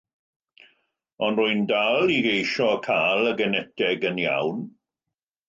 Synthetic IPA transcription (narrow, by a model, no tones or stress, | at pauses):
ɔnrʊɨndalˠiɡejʃɔkʰaːlˠəɡənɛtɛɡənja̰wn